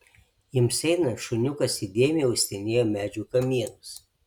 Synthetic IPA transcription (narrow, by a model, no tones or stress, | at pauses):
jɪmsʲɛɪnɐʃʊnʲʊkɐsɪd̪ʲeɛmʲɪjɛʊsʲt̪ʲɛɪnʲeːjoːmʲæːd͡ʒʲuːkɐmʲiɛnʊs